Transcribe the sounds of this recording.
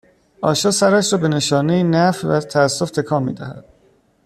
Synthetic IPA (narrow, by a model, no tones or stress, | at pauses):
ʔɒːʃɒːsæɾæʃɾɒːbe̞ne̞ʃɒːnejinæfvæt̪ʰæːsːo̞ft̪ʰe̞kʰɒːmːḭːd̪æ̰hæ̰d̪̥